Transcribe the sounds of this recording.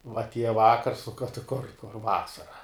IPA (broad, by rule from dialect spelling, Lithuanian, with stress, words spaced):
ʋɐ ɐtʲˈiɛjɛ ˈʋɑːkɐrs tʲɪ kʊr kʊr ˈʋɑːsɐrɐ